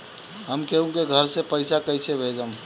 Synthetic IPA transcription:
ɦəmkeɦũkeɡʱəɾsepəɪsakəɪsebʱeːd͡ʒəm

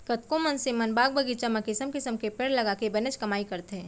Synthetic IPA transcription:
kɐt̪kõmɐnsẽmɐnbaːɡ̚bəɡit͡ʃɐməkːɪsəmkɪsəmkepeːɽlɐɡakebɛnət͡ʃkɐmaːikɐɾt̪ẽ

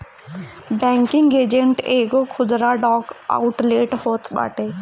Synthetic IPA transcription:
bɛ̃ːŋkɪŋɡeːd͡ʒẽɳʈeːɡokʰʊd̪ɾaɖɔːka̰ʊʈleːʈhoːt̪ɓa̰ːʈeː

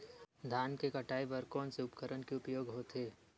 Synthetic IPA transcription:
d̪ʱaːnkekɐʈaːiʋəɾkõːnseʊpkəɾənkeʊpjoːɡɦoːt̪eː

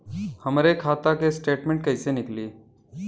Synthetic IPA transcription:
hɐmɾekʰaːt̪akesʈeːʈmẽɳʈkɐsenɪkliː

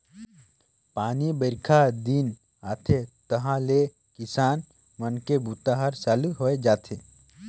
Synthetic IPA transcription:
paːnibəɾkʰad̪in | aːt̪ʰet̪əɦãle | kɪsaːn | mənkebʱuːt̪aɦəɾsaːluɦoed͡ʒaːt̪ʰe

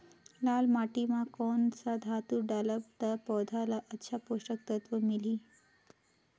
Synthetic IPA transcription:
laːlmaʈimãkonsad̪ʱat̪uɖaləb̚t̪əpɔwd̪ʱalaʔətːɕʰapoʂʈək̚t̪ət̪ʋəmiliː

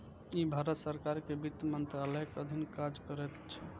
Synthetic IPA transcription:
ibʱaɾət̪səɾkaɾkebit̪ːmənt̪ɾaləjkəd̪ʱinkad͡ʒkəɾɛt̪t͡ʃʰɛ

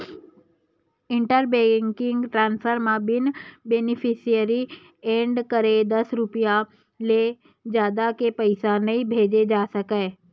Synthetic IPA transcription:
ɪ̃ɳʈəɾbeŋkɪŋɡʈɾãːnspʰəɾmãbɪnbenɪpʰɪsijəɾi | eːɳɖkəɾed̪əsɾʊpija | le | d͡ʒjaːd̪akepəɪsanəĩbʱeːd͡ʒed͡ʒaːsəkəː

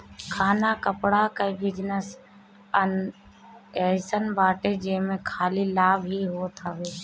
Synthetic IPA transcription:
kʰaːnakəpɽakəibɪd͡ʒnəs | ən | esənbaːʈed͡ʒeːmẽkʰaːlilaːbɦiɦoːt̪ʰaʋeː

